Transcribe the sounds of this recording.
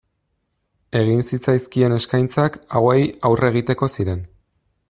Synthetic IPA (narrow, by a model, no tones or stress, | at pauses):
e̞ɣ̞insit͡sajskie̞ne̞skajnt͡sakawejawre̞ɣ̞it̪e̞ko̞siɾe̞n